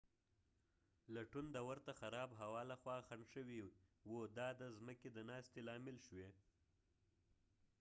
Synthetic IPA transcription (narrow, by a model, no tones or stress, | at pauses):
laʈund̪əwəɾt̪axaɾɑbɦawɑlaxwɑxaɳʃəwiwud̪ɑd̪əzməked̪ənɑst̪elɑmɪlʃwe